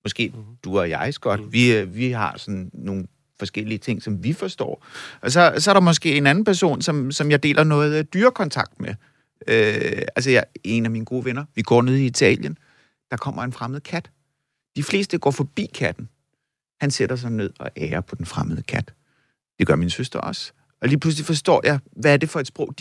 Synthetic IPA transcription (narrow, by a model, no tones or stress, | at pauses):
mɒ̽sɡ̥e̝̰ːd̥uɒjɑ̈ɪsɡ̥ɒ̽d̥ʋiʋiɦɑ̈sɒ̽n̩ːo̝ːn̩ | fɒ̽sɡ̥el̰iət͡sʰe̝ŋ̰sɒ̽mʋifɒ̽sd̥ɒ̰ːʔɒs̬ɒ̽sɒ̽æɐɾɑ̈mɒ̽s̬ɡ̥e̝̰ːe̝næn̩pʰæɐso̝̰ːnsɒ̽msɒ̽mjɑ̈ɪd̥e̝̰ːlʔɐnɔ̽ːð̞̩ˠd̥yːɐkʰɒ̽nt͡sʰɑ̈ɡ̥̚d̥me | øæls̬əjɑɪe̝næmiːnəɡ̥o̝ːʋenɐʋiɡ̥ɒ̰ːne̝ð̞̰ˠiit͡sʰɛ̰ːljən | d̥ɑ̈kʰɒ̽m̰ɐe̝nfʁaməð̩ˠəkʰæd̥ | d̥ifle̝ːsd̥əɡ̥ɒ̰ːfɒ̽b̥ḭːkʰæd̥n̩ | hænse̝ɾ̥ɐs̬ɑ̈ɪne̝ð̞̰ˠɒ̽ʔɛːɐpʰɒ̽d̥enfʁaməð̞̩ˠəkʰæd̥ | d̥e̝ɡ̥ɶɐminsøsd̥ʁɐʔɒ̽s | ɒ̽liːpʰlus̬lifɒ̽sd̥ɒ̰ːjɑ̈ɪʋæːɐd̥e̝fɒ̽e̝d̥sb̥ʁɔ̽ʊ̰d̥